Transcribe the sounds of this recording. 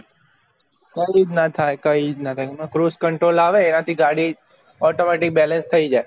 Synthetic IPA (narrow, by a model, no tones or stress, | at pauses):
kəid͡ʒnat̪ʰajkəid͡ʒnat̪ʰajmə̃kɾuskəɳʈɾolaʋeːnat̪ʰiɡaɽi | ɔʈomeʈik̚bɛlə̃nst̪ʰəid͡ʒae